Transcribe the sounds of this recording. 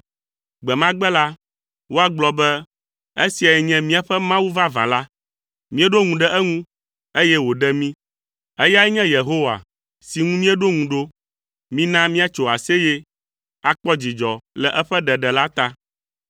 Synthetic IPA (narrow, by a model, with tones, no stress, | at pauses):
ɡ͡bɛ˨mã˦ɡ͡bɛ˦la˦ | wo˦a˨ɡ͡blɔ˨bɛ˦ | e˦si˨a˨jɛ˨ɲɛ̃˦mĩ˦a˦ɸɛ˦mã˦wu˦vã˦vã̰˨la˦ | mĩ˦ɛ˦ɖo˦ŋũ˨ɖɛ˦ʔɛ˦ŋũ˦ | e˦jɛ˦wo˨ɖɛ˦mĩ˦ | ɛ˦ja˦ɛ˦ɲɛ̃˦je˨ɦo˦wa̰˨ | si˨ŋũ˦mĩ˦ɛ˦ɖo˦ŋũ˨ɖo˦ | mĩ˦nã˦mĩ˦a˦t͡ʃo˨a˨se˦jɛ˦ | a˨k͡pɔ˦d͡ʑi˨d͡ʒɔ˨lɛ˨ʔɛ˦ɸɛ˦ɖɛ˨ɖɛ˨la˦t̪a˦